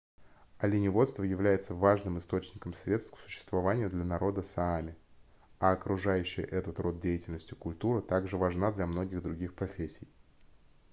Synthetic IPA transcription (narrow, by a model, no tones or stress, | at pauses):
ɐlʲɪnʲɪvo̞t̪st̪vəjɪvlʲæjɪt̪səvaʐnɨmɨst̪o̞t͡ɕnʲɪkəmsɾʲe̞t̪st̪ksʊ̥ɕːɪ̥st̪vɐvanʲɪjʊd̪lʲɐnɐɾo̞d̪əsaamʲɪ | aɐkɾʊʐajʉɕːɪjə̰ʔɛt̪ət̪ro̞t̪̚dʲejɪtʲɪlʲnəsʲtʲɪkʊlʲt̪uɾɨt̪aɡʐɨvɐʐnad̪lʲɐmno̞ɡʲɪɣd̪ɾʊɡʲixpɾɐfʲesʲːɪj